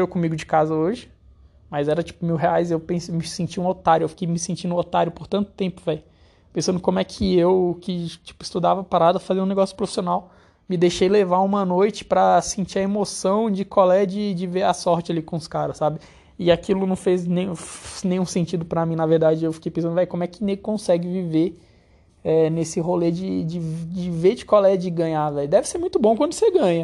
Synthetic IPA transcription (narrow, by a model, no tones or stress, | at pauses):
ewkõmiɡʊd͡ʒɪkazɐoʒɪ | mɐzɛɾɐt͡ʃi̥pʊmiwɦeajzewpẽsemɪsẽnt͡ʃiũot̪aɾjʊewfi̥kejmɪsẽnt͡ʃĩnd̪ʊot̪aɾjʊpoɾt̪ɐ̃nt̪ʊ̥t̪ẽmpʊvɛj | pẽsɐ̃nd̪ʊkõmʊɛkʰɪewkɪt͡ʃi̥pʊist̪ud̪avɐpaɾad̪ɐfaziɾũneɡɔsjʊpɾofi̥sionaw | mɪd̪ejʃejlevaũmɐnojt͡ʃɪ̥pɾɐsĩnt͡ʃiɐemosɐ̃w̃d͡ʒɪkwawlɛd͡ʒɪd͡ʒɪveɾɐsɔɾt͡ʃɪalikõʊskaɾɐsːabɪ | ɪakilʊnɐ̃w̃feznẽj̃nẽj̃ũsẽnt͡ʃid̪ʊpɾɐmĩnɐveɾd̪ad͡ʒɪewfikejpẽsɐ̃d̪ʊvɛjkõmʊɛkɪneɡɪkõsɛɡɪvive | ɛnesɪɦoled͡ʒɪd͡ʒɪd͡ʒɪveɾd͡ʒɪkwawɛɐd͡ʒɪɡɐ̃ɲavɛjʊd̪ɛvɪseɾmũj̃t̪ʊbõkwɐ̃nd̪ʊseɡɐ̃ɲɐ